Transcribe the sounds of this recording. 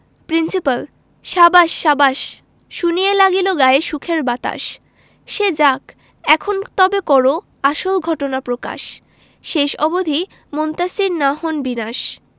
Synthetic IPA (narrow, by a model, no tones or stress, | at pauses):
pɾinsipal | ʃabaʃːabaʃ | ʃunielaɡiloɡaeʃukʰeɾbat̪a̰ʃ | ʃed͡ʑak | ɛkʰont̪ɔbekɔɾo | aʃolɡʱɔʈonapɾoka̰ʃ | ʃeʃɔbod̪ʱi | mont̪asiɾnaɦonbinaʃ